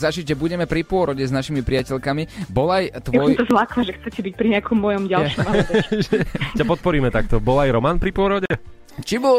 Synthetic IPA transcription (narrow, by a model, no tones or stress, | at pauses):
zaʒiɟʒɛbuɟɛmɛpɾipʊɔɾɔɟɛznaʃimipɾɪacɛʎkamibɔlajt̪ʋɔjt̪ɔzlaklaʒɛxt͡sɛcɛbic̚pɾiɲɛakɔmːɔjɔmɟalʃmʃʒɛcapɔt̪̚pɔɾiːmɛt̪ak̚t̪ɔbɔlajɾɔmaːnpɾipʊɔɾɔɟɛ | t͡ʃibɔ